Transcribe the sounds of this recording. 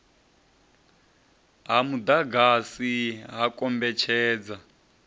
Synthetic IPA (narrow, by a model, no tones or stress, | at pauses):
ɦamud̪aɡasiɦakʼɔmbɛt͡ʃʰɛːd͡za